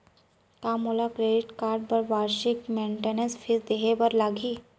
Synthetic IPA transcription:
kamulakɾeɖiʈkaɾɖ̚bəɾʋaɾɕikmeɳʈenənsfisd̪eɦebəɾlaɡiː

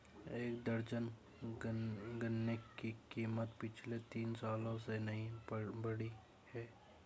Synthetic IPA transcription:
eːk̚d̪əɾd͡ʒən | ɡənːekikiːmət̪pɪt͡ʃʰlet̪iːnsaːlõsenɐɦĩbɐɽi | hɛː

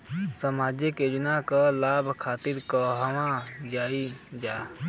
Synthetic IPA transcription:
səmaːd͡ʒeked͡ʒnakalaːbʱkʰaːt̪ɪɾkəɦəwãd͡ʒaːid͡ʒaː

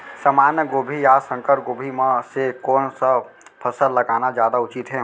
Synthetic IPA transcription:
səmaːnjəɡoːbʱijasə̃ŋkəɾɡoːbʱimãsekɔːnsə | pʰəsəlləɡaːnad͡ʒjaːd̪aʊt͡ʃit̪ɦɛ̃ː

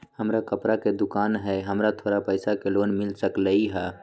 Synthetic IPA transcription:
həmɾakəpɾaked̪ʊkaːnɦɛɦəmɾat̪ʰoːɾapəɪsakeloːnmɪlsəkləiɦɛː

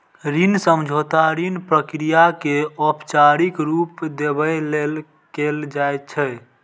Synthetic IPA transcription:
ɾinsəmd͡ʒʱot̪aɾinpɾəkɾijakeɔpt͡ʃaɾikɾupd̪ebəjlel | keld͡ʒajt̪̚t͡ʃʰɛ

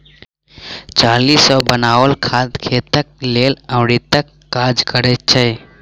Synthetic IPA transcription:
t͡ʃaːlisɔbənaːwəlkʰad̪kʰet̪ək̚leːlə̃ʊɽit̪əkːaːd͡ʒkəɾɛt̪̚t͡ʃʰɛ

